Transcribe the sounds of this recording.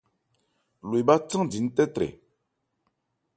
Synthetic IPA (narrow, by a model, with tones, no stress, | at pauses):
lwba˦t͡sɨ˦ŋdi˨n̩˦tɛ˦tɾḛ˨